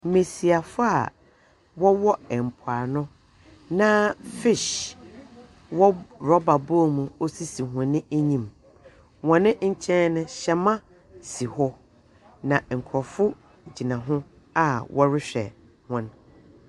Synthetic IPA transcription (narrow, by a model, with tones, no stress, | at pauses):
m̩˦mẽ˨si˨a˨fʊ˦a̰˨ | wɔ˦wɔ˦ɛ˨m̩˨pʰʊ˨a˨nʊ̃˦ | nã˦fɪ˦˨ɕ | wɔ˦ɾɔ˦ba˨bo˦˨mũ˨o˦si˦si˨ɦʊ̃˨nɪ̃˦æ˦ɲĩ˨m | wɔ̃˨nɪ̃˦ɲ̩˦t͡ɕʰɛ̃˦nnʊ̃˦ɕɛ˨mã˦ | si˨hɔ˦ | nã˨ŋ̩˨kʰɔ˨fʊ˦ | d͡ʑi˨nã˨ɦʊ̃˦ | a˨wɔ˦ɾɪ˦ɕᶣɛ̰˨ | hʊ̃˨n